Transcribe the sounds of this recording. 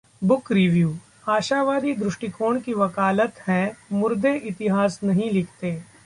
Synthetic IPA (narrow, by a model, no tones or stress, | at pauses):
bʊkɾɪʋjuː | aːʃaːʋaːd̪id̪ɾʊʃʈikoːɳ̃kiʋɐkaːlət̪hɛ̃mʊɾd̪eʔɪt̪ɪɦaːsnɐɦĩlɪkʰt̪eː